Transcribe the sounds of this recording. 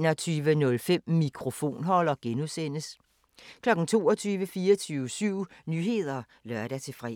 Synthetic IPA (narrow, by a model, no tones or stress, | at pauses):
nɒt͡sʰyːʋənɔ̽lfem̰mikʰʁo̝fo̝̰ːnɦɒ̽l̰ɒ̽ɡ̥enuðˠsen̰əs | kʰlɒ̽ɡ̥n̩t͡sʰo̝̰ːɒt͡sʰyːʋəfiːɐt͡sʰyʊsyʊ̰nyɦe̝ð̞̰ˠɐ | lɶɐɾ̥æt͡sʰe̝fʁɛ̰